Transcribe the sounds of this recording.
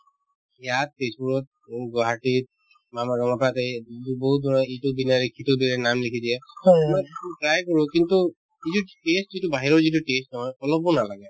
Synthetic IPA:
jat̚pesbuɹɔt̚ɡɔɦatit̚ | mamaɡɔŋɔpatɛituboɦut̚bɔnɔitubinaɹikʰːitʊbɛɹɛnamlekʰidiɛjmɔkɹajkɔɹʊ̃kintu | itutestzitʊbaɦiɹɔɹzit̬utestnɔɦɔjɔlɔbɔnalaɡɛ

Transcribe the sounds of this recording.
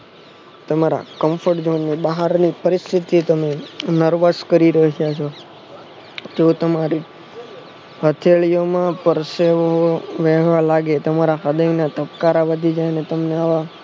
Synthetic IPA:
t̪əmaɾa̰kəmfəʈd͡ʒonːibaɦaɾnipəɾist̪ʰit̪it̪əmenəɾʋəskəɾiɾəɦjat͡ʃʰo | d͡ʒot̪əmaɾi | hət̪ʰeɭijomãpəɾseʋoʋɛɦʋalaɡet̪əmaɾaɦəd̪əjnat̪əpkaɾaʋəd̪ʱid͡ʒajnet̪əmneaʋa

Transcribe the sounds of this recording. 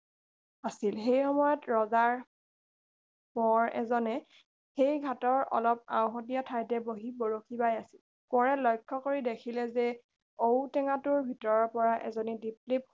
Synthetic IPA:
asilxejxɔmɔjɔtɹɔzaɹ | mɔɹɛ̰zɔnɛ | xejɡʱatɔɹɔ̰lɔp̚ã̰w̃xɔt̬iatʰajtɛboɦiboɹokʰibajasi̥l | kɔɹɛlɔjkʰːɔkoɹidekʰilɛzɛ | owtɛŋatʊɹbʱitɔɹɔɹpɔɹaʔɛ̰zonidiplip̚

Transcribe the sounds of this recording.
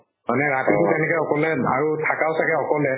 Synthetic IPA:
manɛɹatiʊtɛnɛkɔxɔkɔlɛa̰ɹutʰakawsakɛxɔkɔlɛ

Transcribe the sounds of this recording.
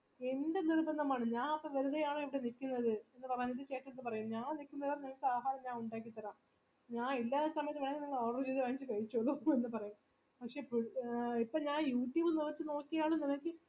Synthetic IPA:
e̞ndenirubɐnːɐmaːɳɨɲaːnɐpːoʋɐɾuðejaːɳɨiʋiɽenikʲːunːɐðɨe̞nːɨpɐrɐjunːɐndɨt͡ɕeːʈːɐt̪ːɨpɐrɐjumɲaːnnikʲːunːɐðɐʋɐrnɐŋɐɭkːɨaːɦaːɾɐmɲaːnuɳɖaːk̬ʲːit̪ːɐɾaːm | ɲaːnilːaːsɐmɐjɐt̪ːɨʋeɳɐŋɡiniŋːɐɭoːɽɐrt͡ɕejðɨʋaːnit͡ɕːɨkɐɻit͡ɕːoɭːuenːɨpɐrɐjum | pɐkʂe̞pipːoːɭɲaːnjuːʈːjiʋunuʋɐt͡ɕːɨno̞ːkːijaːɳɨnimɐkːɨ

